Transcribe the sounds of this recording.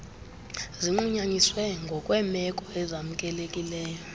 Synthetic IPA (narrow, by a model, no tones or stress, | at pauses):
ziŋ͡ǃuɲaɲiswɛŋɡʱɔkʼwɛmɛkʼɔɛzam̩kʼɛlekʼilɛːjɔ